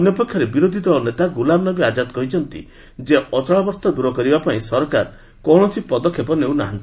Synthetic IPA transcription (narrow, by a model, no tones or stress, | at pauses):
njɔpekʰːjɔɾebiɾod̪ʱid̪ɔɭɔnet̪aɡulamnɔbiad͡ʒad̪ɔkɔɦit͡ʃʰɔnt̪ḭ | d͡ʒeɔt͡ʃɔɭabɔɾst̪ɔd̪uɾɔkɔɾibapaĩsɔɾɔkaɾ | kɔwɽ̃ɔsipɔd̪ɔkʰːepɔnew̃naɦant̪i̥